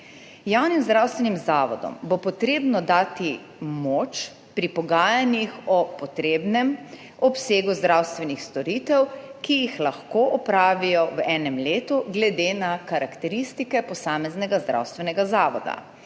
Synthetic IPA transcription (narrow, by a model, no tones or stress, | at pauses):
jawnimzd̪ɾawst̪ʋɛnimzaːʋɔ̰d̪ɔ̰mbɔpɔt̪ɾeːbnɔd̪aːt̪i | moːt͡ʃ | pɾipɔɡaːjanjixɔpɔt̪ɾeːbnɛm | ɔpseːɡuzd̪ɾawst̪ʋɛnixst̪ɔɾit̪ɛwkijixlaxkoːʔɔpɾaːʋijɔwɛnɛmleːt̪uɡlɛd̪enakaɾakt̪ɛɾist̪ikɛpɔsaːmɛznɛɡazd̪ɾa̰wst̪ʋɛnɛɡazaːʋɔ̰d̪a̰